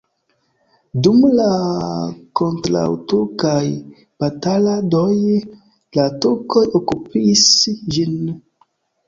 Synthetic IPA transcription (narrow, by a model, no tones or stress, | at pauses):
dumla | kontɾa̰wtokaj | b̥ataladoj | latuko̞jokupisd͡ʒin